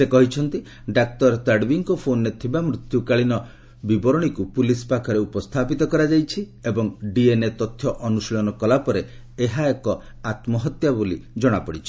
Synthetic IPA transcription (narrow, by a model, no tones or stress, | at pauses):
sekɔɦit͡ʃʰɔnt̪i | ɖak̚t̪ɔɾt̪aɖbiŋkɔpʰonːet̪ʰibamɾut̪jukaɭinɔ | bibɔɾɔɽ̃ikupulispakʰɔɾeupɔst̪ʰapit̪ɔkɔɾad͡ʒajt͡ʃʰi | ebɔŋɖienet̪ɔt̪ʰjɔʔɔnusɭɔnɔkɔlapɔɾe | eɦaekɔ | at̪mɔɦɔt̪jabulḭd͡ʒɔɽ̃apɔɽit͡ʃʰi̥